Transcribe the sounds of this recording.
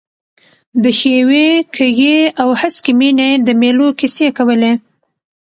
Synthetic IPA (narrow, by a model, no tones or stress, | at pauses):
d̪əxewekʰəɣeawhaskimined̪əmelokisekawəle